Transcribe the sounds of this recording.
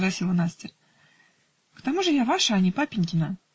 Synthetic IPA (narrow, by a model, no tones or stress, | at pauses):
vrɐsʲilˠnasʲtʲɪr | kt̪amuʐɨjavaʂəːnʲɪpapʲɪnʲkʲɪnə